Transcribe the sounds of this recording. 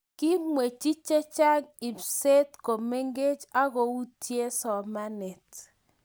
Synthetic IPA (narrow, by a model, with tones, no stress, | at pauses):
ki˦mwe˨t͡ʃi˦t͡ʃe˦t͡ʃa˦ŋi˨pse˦tko˨me˦ŋɡe˦t͡ʃa˦ɣo˨u˦tje˦sɔ˨ma˦ne˨t